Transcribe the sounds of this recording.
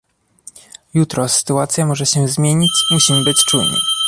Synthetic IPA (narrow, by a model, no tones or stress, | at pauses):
jut̪ɾɔsɘ̥t̪uat̪sʲjamɔʐɛɕɛzmʲjeɲit͡ɕmuɕimbɘt͡ɕt͡ʂujnɘ̰